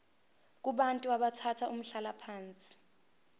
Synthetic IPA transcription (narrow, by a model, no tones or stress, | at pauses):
k̬ʼuɓantʼuaɓatʰatʰaʔum̩ɬalapʰaːnt͡sʼi̥